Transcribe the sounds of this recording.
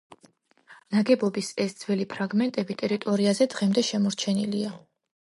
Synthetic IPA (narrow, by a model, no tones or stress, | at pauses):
naɡɛbɔbisɛsd̪zwɛlipʰɾaɡmɛnt̪ʼɛbit̪ʼɛɾit̪ʼɔɾiazɛd̪ʁɛmd̪ɛʃɛmɔɾt͡ʃʰɛnilia